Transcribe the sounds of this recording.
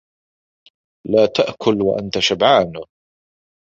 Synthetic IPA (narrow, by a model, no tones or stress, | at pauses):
laːt̪aʔkʰʊlwa̰ʔa̰nt̪aʃabʕaːn